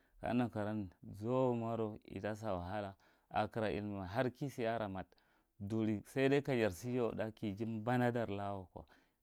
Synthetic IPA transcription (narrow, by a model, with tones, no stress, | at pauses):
ka̰˦na˨ka˨ɾa˦nzo˦ma˦ɾo˨ḭ˨da˦s̬a˨wa˨ɦa˦la˨ | a̰˨ki˨ɾa˨ʔḭ˨lma˨ɦa˦ɾki˦si˨ja˦ɾa˨ma˨t | du˨ɾi˨sa˦i˦da˦ka˨d͡ʒa˨ɾsi˦jo˦˨da˦ki˨d͡ʒi˦mba˦na˦da˨ɾla˦wo˨ko̰˨